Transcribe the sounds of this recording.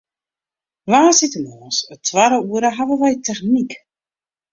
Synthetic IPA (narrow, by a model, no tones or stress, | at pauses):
vaːsitəmɔːsətʰʋaɾəuəɾəɦavəʋɛjtɛχnik